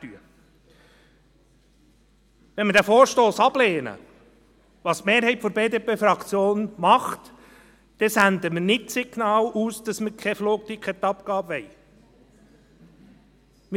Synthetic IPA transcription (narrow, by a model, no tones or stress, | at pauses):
tyə | ʋɛnməɾdæfoːɾʃtoːsɑbleːnə̰ | ʋɑːsmeːɾhɛjtfɔɾbeːd̪eːpeːfɾɑkʰt͡sjoːnmɑχt̪ | d̥̪ɛsænd̪əmənɪt̚sɪɡnɑːluːsd̥ɑsməkʰɛfloːk̚t̪ikʰχɛt̪ːɑpkɑːbʋɛj | m